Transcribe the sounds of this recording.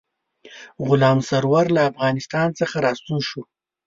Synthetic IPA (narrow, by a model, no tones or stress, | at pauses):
ɣʊlɑmsaɾwaɾlaːfɣɑnɪst̪ɑnt͡səxaɾɑst̪uʃu